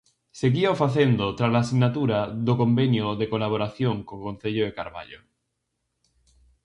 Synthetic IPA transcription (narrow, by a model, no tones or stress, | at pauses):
seɣiaofaθend̪ot̪ɾazlaːsiɣnat̪uɾaðokombenjoðekolaβ̞oɾaθjoŋkoŋkon̟θeʎoðekaɾβa̰ʎo̰